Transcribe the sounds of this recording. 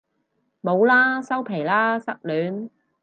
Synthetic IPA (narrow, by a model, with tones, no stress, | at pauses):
mo˨˧wlaː˥sɐ˥wpʰe˨˩jlaː˥sɐ˥k̚lyː˨˥n